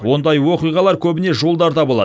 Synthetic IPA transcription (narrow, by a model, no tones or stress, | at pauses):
wo̞nd̪ɑjwo̞qijʁɑlˠɑɾkʲʰɵbɪne̞ʒolˠd̪ɑɾd̪ɑbo̞lˠɑ̰